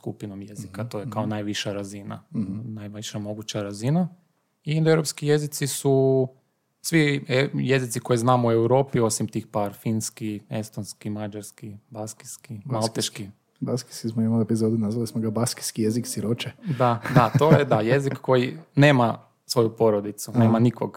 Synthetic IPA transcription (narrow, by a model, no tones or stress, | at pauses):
skupinomjezikat̪ojekaonajʋiʃaɾazina̰najʋʃamo̞ɡut͡ɕaɾazina | ind̪ewɾopskije̞zit̪sisu | sʋieje̞zit̪siko̞jiznaːmue̞wɾo̞ːpio̞simt̪iːxpaːɾfinskie̞̰st̪onskimad͡ʒaɾskibaski̥skimmalt̪eʃki | baski̥kismoimaepizod̪unazʋalismoɡabaski̥skijeziksiɾot͡ʃɛd̪ad̪at̪o̞jed̪aje̞zikkːo̞jine̞ːma | sʋo̞jupo̞ɾod̪it̪suneːmanikoɡ